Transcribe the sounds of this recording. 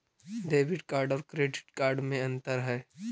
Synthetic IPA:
ɖeːʋɪɖkaːɾɖɔːɾkɾeːɖɪʈkaːɾɖmẽɐ̃nt̪əɾɦɛː

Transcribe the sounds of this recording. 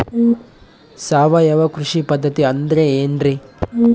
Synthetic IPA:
saːʋɐjɐʋɐkɾʊʂipɐd̪ʱːɐt̪iɐnd̪ɾeeːndri

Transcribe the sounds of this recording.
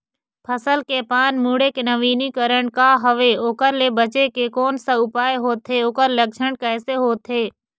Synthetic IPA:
pʰəsəlkepaːnmuːɽekenəʋiːnikəɾəɳ̃kaːɦəʋeoːkəɾlebət͡ʃekekoːnsaʊpaːeɦoːt̪ʰːeoːkəɾlək̚t͡ʃʰəɳ̃kɛːseɦoːt̪ʰːeː

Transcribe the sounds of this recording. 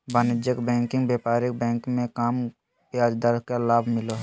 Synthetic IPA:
banɪd͡ʒjəkbɛ̃ːŋkɪ̃ŋɡbjeːpaːɾɪk̚bɛ̃ːŋkmẽkaːm | pjaːd͡ʒd̪əɾkelaːbʱmɪlo

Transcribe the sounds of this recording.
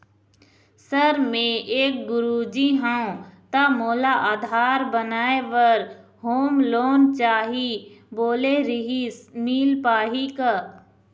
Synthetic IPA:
səɾmẽeːk̚ɡʊɾuːd͡ʒiɦãõt̪amoːlaʔaːd̪ʱaːɾbənaːeʋɐɾ | ɦoːmloːnt͡ʃaːɦiboːleɾɪɦismiːlpaːɦika

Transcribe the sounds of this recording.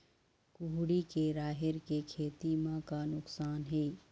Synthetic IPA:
kʊɦɽikeɾaːɦɪɾkekʰeːt̪imãkanʊksaːnɦeː

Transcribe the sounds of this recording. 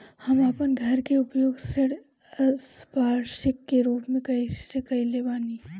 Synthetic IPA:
hɐmapənɡʱɐɾkeʊpjoːɡseɽ | spaːɾʃɪkːeɾuːpmẽkɐisekɐilebaːni

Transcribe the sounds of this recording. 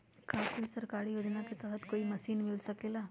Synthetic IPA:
kaːkolisɐɾkaːɽijoːd͡ʒnaket̪ɐɾət̪koːimɐsiːnmɪlsɐkeːlaː

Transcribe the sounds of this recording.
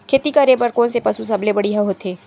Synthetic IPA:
kʰeːt̪ikaɾeːbɐɾkoːnsepɐsus̬ɐblebɐɽiɦɐɦoːt̪eː

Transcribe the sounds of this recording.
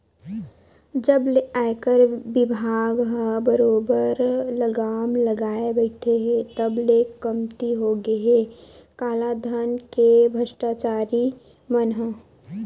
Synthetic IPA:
d͡ʒəbleaːjkəɾbɪbʱaːɡɦə̃bəɾoːbəɾləɡaːmləɡaːebəɪʈʰeɦet̪əblekəmt̪iɦoɡeɦekaːlad̪ʱənkebʱəʃʈat͡ʃaːɾi | mənɦə

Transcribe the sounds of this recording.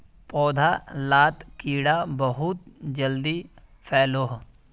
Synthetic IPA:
pɔːd̪ʱalaːt̪kiːɽabəɦʊt̪̚d͡ʒəld̪i | pʰɛːloːɦ

